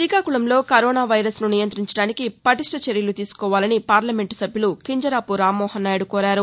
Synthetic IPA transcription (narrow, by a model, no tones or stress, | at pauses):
siːkaːkuɭɐmlo̞ːkɐɾɔːnaːʋɐjɾɐsnunijɐnt̪ɾiɲt͡ʃɐɽaːnikipɐʈiʂʈɐt͡ʃeɾjɐlut̪iːsu̥kɔːʋaːlɐnipaːɾlɐme̞ɳʈsɐbʱjulukiɲd͡ʒɐɾaːpuɾaːmːɔːhɐnːaːjɽukɔːɾaːɾu